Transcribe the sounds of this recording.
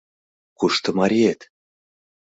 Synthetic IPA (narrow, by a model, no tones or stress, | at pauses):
kuʃt̪ɤ̆mɑɾʲiet̪